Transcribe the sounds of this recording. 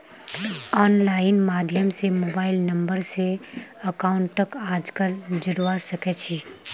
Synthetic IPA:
ɔːnlaːɪnmaːd̪ʱjəmsemoːbaːɪlnɐ̃mbəɾseɐkaːʊ̃ɳʈːɐkaːd͡ʒkəld͡ʒɪɾwasɐkɛt͡ʃʰiː

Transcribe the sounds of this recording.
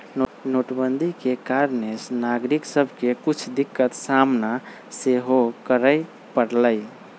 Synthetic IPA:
nnoʈbənd̪ʱikekaɾnesnaɡɾiksəbʱkekut͡ʃʰd̪ikːət̪samna | seɦokəɾəj | pəɽləɪ

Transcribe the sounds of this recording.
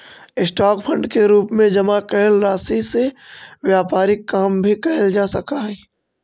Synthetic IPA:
ɪsʈaːkpʰə̃ɳɖkeɾuːpmẽd͡ʒɐmakɛlɾaːsiseʋjaːpaːɾɪkːaːmbʱikɛɦɪld͡ʒaːsɐkaɦɛː

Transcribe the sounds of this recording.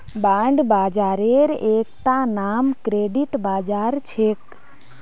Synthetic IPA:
baɳɖbaːd͡ʒaɾeɾek̚t̪anamkɾeɖiʈbad͡ʒaɾt͡ʃʰek

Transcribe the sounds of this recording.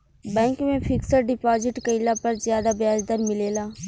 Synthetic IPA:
bɛ̃ːŋkmẽfʰɪksəɾɖɪpaːzɪʈkəɪlapɐɾzjaːd̪abjaːd͡ʒd̪əɾmɪleːlaː

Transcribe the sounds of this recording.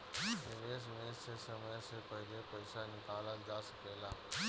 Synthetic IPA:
nɪʋeːs̬mẽːsesəməjsepɐɦlepɐɪsanɪkaːləkd͡ʒaːsəkeːlaː

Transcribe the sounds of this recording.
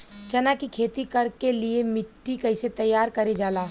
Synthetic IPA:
t͡ʃɐnakikʰeːt̪ikɐɾkeliemɪʈːikɐɪset̪ɐjːaːɾkɐɾed͡ʒaːlaː

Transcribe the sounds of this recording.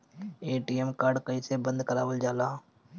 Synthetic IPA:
eːʈiːemkaːɾɖkəĩːsebə̃nd̪kəɾaːʋəld͡ʒaːlaː

